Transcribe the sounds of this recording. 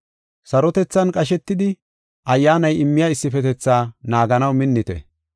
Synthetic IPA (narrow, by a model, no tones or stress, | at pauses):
sɐɾɔt̪ɛt͡sːɐnkʼɐʃ̬ɛt̪ːɪd̪ɪ | ʔɐjːaːnɐjɪmːɪjɐɪsːɪfɛt̪ɛt͡sːaːnaːɡɐnɐwmɪnːɪt̪ɛ̰